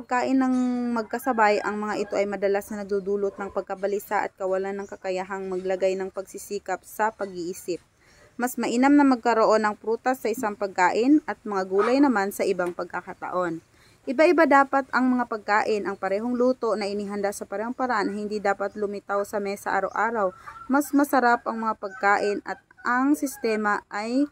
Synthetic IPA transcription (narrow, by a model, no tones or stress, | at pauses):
pɐɡ̚kaːʔɪnːɐŋmɐɡ̚kɐsɐbajʔɐ̰ŋmɐŋaʔɪt̪o̞ʔɐjmɐd̪ɐlasnɐnɐɡ̚d̪ud̪uːlot̪̚nɐŋpɐɡ̚kɐbɐlisaʔɐ̰t̪̚kɐwɐlanːɐŋkɐkɐjaɦaŋmɐɡlɐɡajnɐŋpɐɡ̚sisiːkɐp̚sɐpɐɡiʔiːsɪp̚ | mɐsmɐʔinamnɐmɐɡ̚kɐɾoʔo̞nɐŋpɾuːt̪ɐsːɐʔɪsaŋpɐɡ̚kaːʔɪnʔɐt̪̚mɐŋaɡuːlɐjnɐmansɐʔɪbaŋpɐɡ̚kakat̪ɐ̰ʔo̞n | ʔɪbaʔɪbad̪aːpɐt̪ɐŋmɐŋapɐɡ̚kaːʔɪnʔɐŋpɐɾɛːɦoŋluːt̪o̞nɐʔɪniɦɐnd̪aʔsɐpɐɾɛːho̞ŋpɐɾɐʔanhɪnd̪id̪aːpɐt̪lʊmɪt̪awsɐmɛsɐʔa̰ːɾɐwʔaːɾɐwmɐsmɐsɐɾapʔɐŋmɐŋapɐɡ̚kaːʔɪnʔɐt̪̚ʔɐŋsɪst̪ɛːmɐʔaj